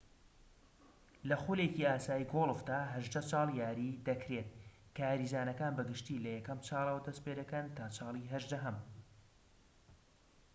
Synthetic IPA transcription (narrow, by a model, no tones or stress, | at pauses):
lɐxuleciːaːsaːjiɡolˠvd̪aːɦɐʒd̪ɐt͡sʰɑːlˠjaːɾiːd̪ɐkɾeːt̪̚kaːɾiːzaːnɐkaːnbɐɡɨʃt̪iːlɐjɛkɐmt͡ʃʰɑːlˠɐwɐd̪ɐspeːd̪ɐkɐnt̪ʰaːt͡ʃʰɑːlˠiɦɐʒd̪ɐɦɐm